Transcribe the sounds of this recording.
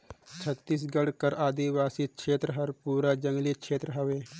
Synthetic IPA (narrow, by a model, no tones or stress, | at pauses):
t͡ʃʰət̪ːiːs̬ɡɐɽkəɾaːd̪iʋaːsikʃʰeːt̪ɾəɦɐɾpuːɾad͡ʒə̃ŋɡlikʃʰeːt̪ɾəɦɐʋeː